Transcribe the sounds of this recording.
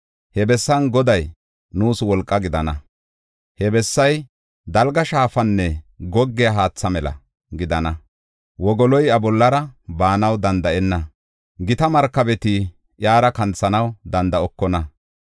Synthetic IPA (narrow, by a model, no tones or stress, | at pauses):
hɛbɛsːɐnɡɔd̪ɐj | nuːswɔlkʼːɐɡɪd̪ɐnɐ | hɛbɛsːɐj | d̪ɐlɡɐʃaːfɐnːɛɡɔɡːɪjɐɦaːt͡sːɐmɛlɐ̰ | ɡɪd̪ɐnɐ | wɔɡɔlɔjɐbɔlːɐɾɐbaːnɐwd̪ɐnd̪ɐʔɛnːɐ | ɡɪt̪ɐmɐɾkːɐbɛt̪i | ʔjaːɾɐkɐnt͡sːɐnɐwd̪ɐnd̪ɐɔkːɔnɐ